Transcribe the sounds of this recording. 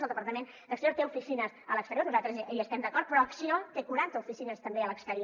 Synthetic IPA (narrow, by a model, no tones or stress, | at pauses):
zəlˠəpəɾt̪əmen | d̪̥əksjoɾt̪eufisinəsələksəɾjoɾnuzalˠt̪ɾəzeʔejəst̪ɛmd̪əkɔrt̪̚pɾɔəksiot̪ekuɾant̪əufisinəst̪əmbeələkst̪əɾi